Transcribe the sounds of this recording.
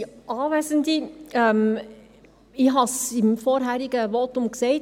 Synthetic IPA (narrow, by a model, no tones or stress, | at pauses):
ʔɑːʋæzəndiɛm | ɪɦɑsɪmfɔɾɦæɾiɡəʋɔːtʊmkseɪt